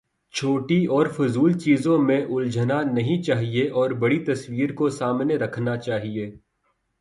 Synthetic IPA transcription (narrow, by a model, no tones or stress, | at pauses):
t͡ʃʰoːʈiɔːɾfʊzuːlt͡ʃiːzõmẽʔʊld͡ʒənanɐɦĩt͡ʃaːɦieʔɔːɾbɐɽit̪ɐsʋiːɾkosaːmneɾɐkʰnat͡ʃaːɦieː